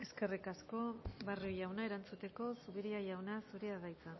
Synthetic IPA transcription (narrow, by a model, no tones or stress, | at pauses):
e̞ske̞rikasko̞βarujawnae̞ɾant͡sut̪e̞ko̞suβiɾiajawnasuɾiaðajt͡sa